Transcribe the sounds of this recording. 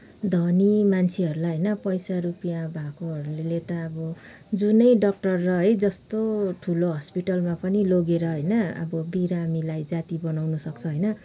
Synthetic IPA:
d̪ʱʌnimant͡sʰiɦʌɾulajɦʌjnʌpʌjsaɾupijabʱakoɦʌɾulelet̪ʌːbʌ | d͡zunʌjɖʌk̚ʈʌrːʌɦʌejd͡zʌst̪oʈʰuloɦʌspiʈʌlmapʌniloɡeɾʌɦʌjnʌʌ̰bʌbiɾamilajd͡zat̪ibʌnawnʌsʌk̚t͡sʰʌɦʌjnʌ

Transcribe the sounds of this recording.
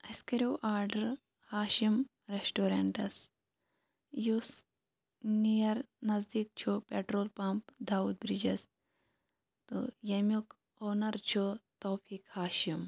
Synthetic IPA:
ɐskɐɾʲiwʔaːɾɖɐɾ | haːʃim | ɾesʈoːɾeɳʈɐs | jus | nijɐɾnɐzd̪iːk̚t͡ʃʰopeʈɾoːlpɐmpd̪aːuːd̪̚bɾid͡ʒɐs | t̪o̰jɐmʲjuk | oːnɐɾt͡ʃʰot̪oːpʰiːkhaːʃim

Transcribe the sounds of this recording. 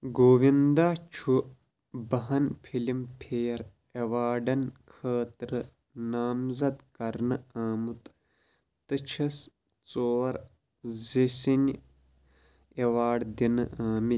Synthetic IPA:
ɡoːʋind̪aːt͡ʃʰu | bɐɦɐnpʰilimpʰeːɾ | eʋaːɖɐnkʰəːt̪ɾɨ | naːmzɐd̪kɐɾnɨaːmut̪ | t̪ɨt͡ʃʰɐs | t͡soːɐɾ | zisinʲ | eʋaːɖd̪inɨʔaːmi

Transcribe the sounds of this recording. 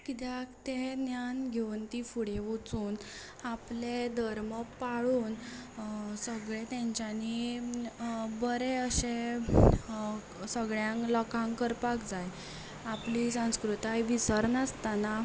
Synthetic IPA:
kit̪jakt̪enjanɡʱewnt̪ifuɽeʋot͡suːn | apled̪ʱəɾməpːaɭuːn | səɡɭet̪ãɲt͡ɕjani | bəɾeəɕe | səɡɭjãŋklɔkãŋkəɾpakd͡zaj | aplisãw̃skɾut̪ajʋisəɾnəst̪ana

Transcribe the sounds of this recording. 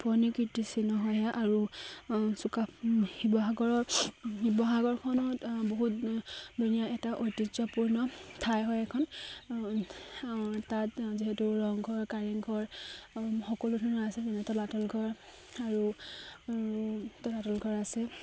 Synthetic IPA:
pʰɔnikitisinɔɦɔjɦaʔaɹu | sukahibɔɦaɡɔɹɔɦibɔɦaɡɔɹkʰɔnɔtboɦutdunijaɛtaʔojtizɔpuɹnɔtʰajɦɔjɛkʰɔn | tatziɦɛtuɹɔŋɡʱɔɹkaɹiŋɡʱɔɹ | xɔkɔlutʰunɔasɛzɛnɛtɔlatɔlɡʱɔɹ | aɹu | tɔlatɔlɡʱɔɹasɛ

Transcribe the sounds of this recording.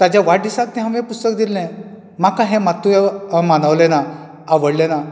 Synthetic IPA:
t̪jad͡ʑaʋaʈ̚ɖ̪isãt̪t̪ɛɦãmʋẽpust̪ək̚d̪ilːɛ̃ | makãɦɛ̃mat̪ːuemanəʋlɛna | aʋəɽlɛ̃na

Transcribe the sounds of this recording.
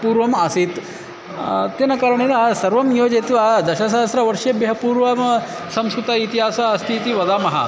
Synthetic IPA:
puːɾʋɐmɐsit̪ | t̪jenɐkaːɾɐɳelɐsɐɾʋɐmjoːd͡ʒit̪ʋɐd̪ɐʃɐs̬aɦɐsɾɐʋɐɾʂebjɐɦɐpuːɾʋɐm | sɐmskɾut̪ɐit̪iɦaːsɐɐst̪ʰiːt̪iʋɐd̪aːmɐɦɐ̰

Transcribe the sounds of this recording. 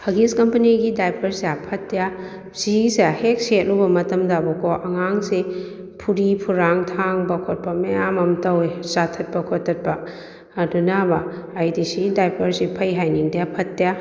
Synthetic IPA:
hɐɡiskɐmpɐniɡidajpʰɐɾseapʰɐt̚ːeja | siseahek̚set̚lubɐmɐtɐmdabɐkɔʔɐŋaŋse | pʰuɾipʰuɾaŋtʰaŋbɐkʰot̚pɐmejamɐmtɐwesatʰɐt̚bɐkʰotʰːɐt̚pɐː | dunabɐːjdisidajpʰɐɾsipʰɐjɦajniŋdijapʰɐt̚ːija

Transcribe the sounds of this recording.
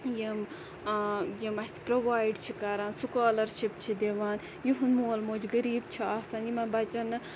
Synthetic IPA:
jim | jimɐspɾoʋaːjɖt͡ʃʰikaɾaːnsukaːlɐɾʃipt͡ʃʰid̪eʋaːn | jiɦund̪moːlmoːd͡ʒɡɐɾiːbt͡ʃʰiaːsaːnjimɐnbɐt͡ʃɐnɨ

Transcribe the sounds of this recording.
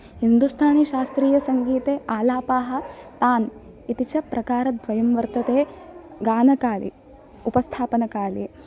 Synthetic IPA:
hind̪ust̪ʰaːniʃaːst̪ɾiːjɐsɐŋɡiːt̪eːaːlaːpaːɦɐ̆t̪aːn | it̪it͡ʃɐpɾʔɐkaːɾɐd̪ʋɐjɐmʋɐɾt̪ɐt̪eːɡaːnɐkaːlḭ | upɐst̪ʰaːpɐnɐkaːli

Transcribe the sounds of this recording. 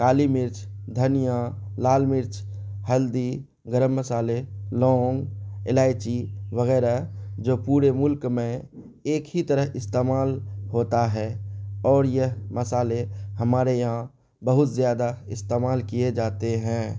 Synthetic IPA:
kaːlimɪɾt͡ʃ | d̪ʱənija | laːlmɪɾt͡ʃ | həld̪i | ɡəɾəmːəsaːlelɔ̃ːŋɡḛlaːɪt͡ʃiʋəɣɛːɾad͡ʒoːpuːɾemʊlkmẽ | eːkɦit̪əɾəɦɪst̪eːmaːlɦoːt̪aɦɛːɔːɾjəɦməsaːlehəmaːɾejɐɦã | bəɦʊt̪zjaːd̪aɪst̪eːmaːlkijed͡ʒaːt̪eɦɛ̃ː

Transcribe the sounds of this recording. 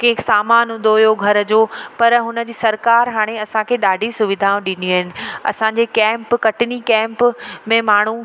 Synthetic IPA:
kẽːksaːmaːnɦũnd̪d̪ojoɡʱɐɾd͡ʑoːpɐɾɦʊnə̆d͡ʑiːsɐɾkaːɾɦaːɽ̃eɐsãkʰeɗaːɖʱisʊʋɪd̪ʱaːũɗɪ̃niuɦɪnɪ̆ɐ̰sãɲd͡ʑekɛ̃ːmpkɐʈɪnikɛ̃ːmpmẽmaːɳ̤u

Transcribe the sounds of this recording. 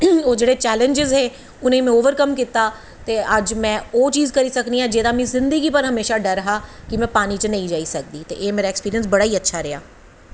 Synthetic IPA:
oːd͡ʒeːɽet͡ʃɛːlə̃nd͡ʒɪzɦeː | ʊnẽːmɛ̃oːʋəɾkəmkiːt̪aː | t̪eːəd͡ʒmɛ̃ːoːt͡ʃiːzkəɾiːsəkniãːd͡ʒeːd̪aːmɛ̃ːzɪ̃nd̪əɡiːpəɾɦəmeːʃaɖəɾɦaːkɪmɛ̃ːpaːnit͡ʃənɐĩd͡ʒaːisək̚d̪iːt̪ḛːʔeːmeːɾaːekspiːɾiəns̬bɐɽaːiːətːʃʰaːɾea̰ː

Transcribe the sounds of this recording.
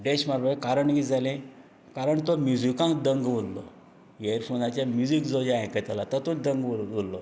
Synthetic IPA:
ɖeɕmaɾbajkaɾəɳɡid͡zalẽ | kaɾəɳt̪omjud͡zikãŋkd̪əŋɡʋollɔ | jeɾfʰonat͡ɕjamjud͡zikd͡zod͡ʑaẽkət̪alat̪ət̪od̪əŋɡʋolːɔ

